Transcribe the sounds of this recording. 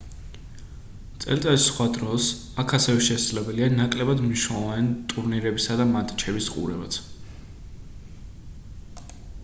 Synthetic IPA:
t̪sʼɛ̰lt̪ʼaisːχwad̪ɾɔs | akʰasɛvɛʃɛd̪zlɛbɛlianakʼlɛbad̪mniʃnɛlˠɔvant̪ʼuɾniɾɛbisad̪amat̪ʼt͡ʃʰɛbisqʼṵɾɛbat̪sʰ

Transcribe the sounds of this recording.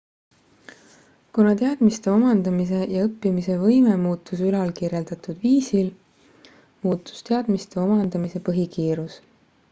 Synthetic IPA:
kunɑt̪e̞ɑd̪̥mist̪e̞o̞mɑnd̪̥ɑmis̬e̞jɑɤpːˑimise̞vɤjmemuːt̪ːˑusylɑlkiɾje̞ld̪̥ɑt̪ˑud̪̥viːsil | muːt̪ːˑu̥st̪e̞ɑd̪̥mist̪e̞o̞mɑnd̪̥ɑmise̞pɤɦikiːɾus

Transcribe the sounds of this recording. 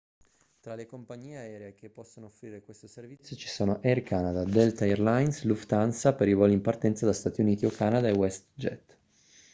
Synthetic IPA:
t̪ɾalekompaɲːiːeaɛːɾeek̟epːɔsːonoofːɾiːɾekwest̪oservit̪sjot͡ʃi̥soːnoʔɛrkʰanad̪ad̪ɛlt̪aɛrlajnsluft̪ansapeɾivɔlimpart̪ɛnt̪sad̪ast̪at̪iuniːt̪iokːanad̪aewɛst̪d͡ʒɛ̰t̪

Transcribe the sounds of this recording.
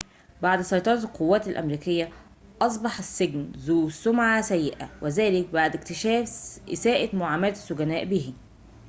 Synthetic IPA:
baʕd̪sˤɑjt̪ˤɑɾˤt̪lqowːæːt̪ælʔæ̰mɾiːkɪjːæ | ʔɑs̬ˤbɑħasːɪɡnzuːsːʊmʕasæjːɪʔæ̰wʔezæːlɪk̚baʕd̪ɪkt̪ɪʃæːfʔɪsæːʔɪt̪mʊʕaːmælt̪ɪ̥sːʊɡænæːʔbiːhi

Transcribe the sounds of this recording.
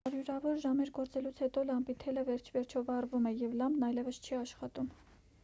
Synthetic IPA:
ɑɾjuɾɑvɔɾʒɑmɛɾɡɔɾt͡sɛlut͡sʰhɛt̪ɔlɑmpit̪ʰɛləvɛɾt͡ʃʰvɛɾt͡ʃʰɔvɑrvumɛjɛvlɑmbnɑjlɛvəst͡ʃʰɛɑʃχɑt̪um

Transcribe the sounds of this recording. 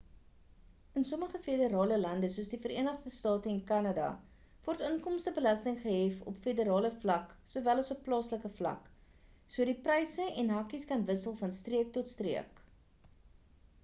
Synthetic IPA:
ənsɔməχəfedəɾɑːləlɐndəsuəsdifəɾiənəχdəstɑːtəɛnkɐnɑdɑ̰ | vɔrtəŋkɔmstəbəlɐstəŋχəɦɛfɔ̰pfedəɾɑːləflɐksuəvælɐsɔpːlɑːsləkəflɐ̰k | suədiprɛjsəʔɛnɦɐkiskɐnvəsəlˠfɐnstriək̚tɔtstriək

